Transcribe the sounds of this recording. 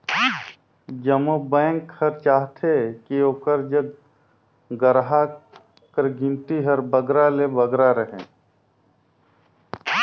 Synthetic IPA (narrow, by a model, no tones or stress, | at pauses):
d͡ʒəmobɛ̃ːŋkʰːəɾt͡ʃaːɦt̪ʰekioːkəɾd͡ʒəɡ̚ | ɡəɾɦa | kəɾɡɪ̃nt̪iɦəɾbəɡɾalebəɡɾaɾəɦḛ̃ː